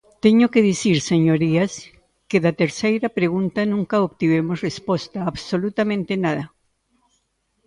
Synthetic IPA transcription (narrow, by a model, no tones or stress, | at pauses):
t̪eɲokeðisiɾseɲoɾias | keðat̪eɾsejɾapɾeɣũnt̪anũŋkaoβt̪iβemosrespost̪aːβsolut̪amẽnt̪enaða